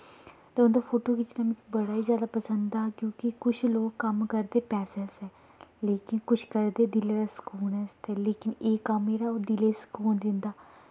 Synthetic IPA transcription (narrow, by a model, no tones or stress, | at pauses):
t̪eːʊnd̪aːpʰoːʈoːkɪt͡ʃnaːmĩkbəɽaːiːzjaːd̪aːpəsənd̪d̪aːkjõːkɪkʊt͡ʃʰloːkːəmkəɾd̪eːpɛːsɛnsɛː | leːkɪnkʊt͡ʃʰkəɾd̪eːd̪ɪleːd̪aːsə̥kuːnɛːst̪ɛːleːkɪneːkamːeːɾaːoːd̪ɪleːsə̥kuːɳd̪ɪnd̪aː